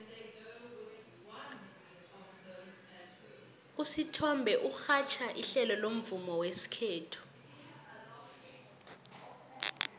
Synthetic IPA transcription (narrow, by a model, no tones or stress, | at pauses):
usitʰɔmbʱɛʔuxat͡ʃʰaʔiɬɛlɔlom̩vumɔwesi̥kʰeːtʰu̥